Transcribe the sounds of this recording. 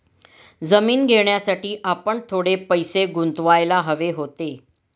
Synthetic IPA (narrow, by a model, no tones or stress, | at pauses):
d͡zəmiːnɡʱeɳjasaʈiːʔapəɳt̪ʰoɽepəjseɡunt̪ʋajlaɦəʋeɦot̪e